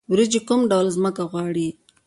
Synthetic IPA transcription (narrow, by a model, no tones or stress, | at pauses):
wɾid͡ʒekumɖawlzməkaɣwɑɽi